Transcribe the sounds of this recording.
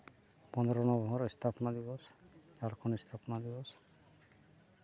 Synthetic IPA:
pɔnd̪ɔɾɔnɔbʱɔɾist̪ʰapɔnad̪ibɔsd͡ʒaɾkʰɔnist̪ʰapnad̪ibɔs

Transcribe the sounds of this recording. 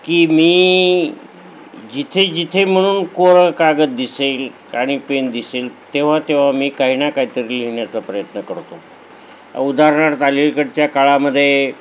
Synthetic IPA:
kiːmiː | d͡ʑit̪ʰed͡ʑit̪ʰem̤əɽ̃uːnkoɾəkaɡət̪̚d̪iseːl | aɽ̃ipend̪iseːlt̪eʋ̤at̪eʋ̤amiːkaɦinakaɦit̪əɾiliɦɳjat͡sapɾəjət̪nəkəɾt̪o̰ | ud̪ʱaɾɳ̃aɾt̪alilkəɽt͡ɕjakaɭaməd̪ʱːje

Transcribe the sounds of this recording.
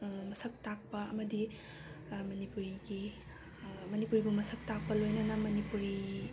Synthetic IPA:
mɐsɐk̚tak̚pɐɐmɐdi | mɐnipuɾiɡi | mɐnipuɾiɡumɐsɐk̚tak̚pɐlojnɐnɐmɐnipuɾi

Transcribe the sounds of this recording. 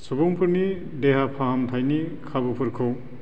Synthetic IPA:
subuŋpʰɯɾni | deɦapʰaɦamtʰajnikʰabɯpʰɯɾkʰɯ

